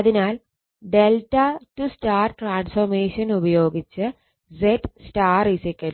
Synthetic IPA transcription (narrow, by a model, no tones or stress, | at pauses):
ɐðinaːl | ɖelʈɐtusʈaːrʈraːnsfɐrmeːʂɐnubɐjoːɡit͡ɕːɨ | d͡ʑeʈsʈaːrisikʲːɐn